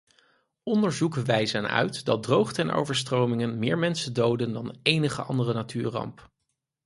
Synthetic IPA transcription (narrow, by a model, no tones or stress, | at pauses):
ɔndəɹzukəʋɛjzənœ̰ɥtdɑt̚drowχtəɛnʔo̰wvəɹstrowmɪŋənmɪːɹmɛnsədowdəndɑnejnəχə̰ɑ̰ndərənatʰyːɹrɑ̰mp